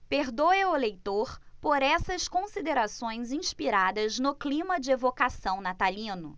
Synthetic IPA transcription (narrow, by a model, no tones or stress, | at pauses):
peɾd̪oeʊelejt̪oɾpoɾɛsɐskõsid̪eɾasõj̃zĩʃpiɾad̪ɐznʊklĩmɐd͡ʒɪevokasɐ̃w̃nat̪alĩnʊ